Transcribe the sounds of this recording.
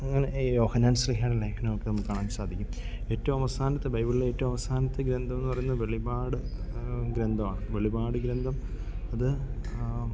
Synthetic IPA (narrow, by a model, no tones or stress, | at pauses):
ɐŋːɐnejo̞ːhɐnaːnsliɦjaːɳelɐjkʰɐnɐɐkːenɐmːukːaːɳaːmsaːd̪ʱikʲːum | e̞ːtːɐʋɐmɐʋɐsaːnɐt̪ːebɐjbilileeːtːɐʋɐmɐʋɐsaːnɐt̪ːeɡɾend̪ʱɐmenːɨpɐrɐjunːɐʋe̞ɭibaːɽɨɡɾend̪ʱɐmaːɳɨʋe̞ɭibaːɽɨɡɾend̪ʱɐm | ɐðɨ